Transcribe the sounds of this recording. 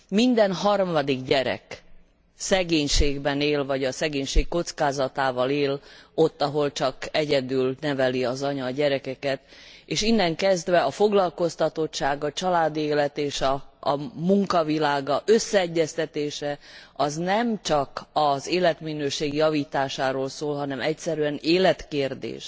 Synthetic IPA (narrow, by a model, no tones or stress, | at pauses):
mind̪ɛnɦɒrmɒd̪iɡɟɛɾɛ̰k | sɛɡeːɲʃeːɡbɛneːlvɒɟɒsɛɡeːɲʃeːkːo̞t̪skaːzɒt̪aːvɒleːlot̪ːɒɦo̞lt͡ʃɒkɛɟɛd̪yːlnɛvɛliɒzɒɲɒːɟɛɾɛkɛkɛt̪eːʃinːɛŋkɛzd̪vɛɒfoɡlɒlko̞st̪ɒt̪o̞tt͡ʃːʃaːɡɒt͡ʃɒlaːd̪ieːlɛt̪eːʃɒː | muŋkɒvilaːɡɒʔøsːɛɛɟːɛst̪ɛt̪eːʃɛɒznɛmt͡ʃɒkɒzeːlɛt̪minøːʃeːɡjɒviːt̪aːʃaːɾoːlsoːlɦɒnɛmɛcsɛɾyɛneːlɛt̪keːrd̪ḛːʃ